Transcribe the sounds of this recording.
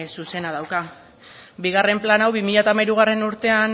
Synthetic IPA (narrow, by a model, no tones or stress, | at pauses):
suse̞nað̞awka | biɣ̞are̞mplanawβimiʎaet̪amajɾuɣare̞nuɾt̪e̞an